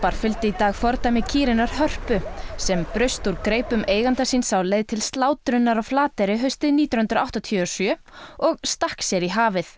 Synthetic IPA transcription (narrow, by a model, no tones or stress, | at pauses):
paɾ̥fʏlt̪ɪit̪aːɣfɔɾt̪amɪcʰiːɾɪnaɾ̥hœr̥pʏsɛmpɾʏst̪uɾkɾeːjpʏmʔeːjɣant̪asiːnsawlejðt̪ʰɪlst̪laːwt̪ɾʏnːaɾawflaːt̪ɛɾɪɦœɥst̪ɪðniːt̪jʏnʏnt̪ɾawht̪ɔt̪ʰjœɔsjœ | ɔɣst̪ahksɛɾiɦaːvɪθ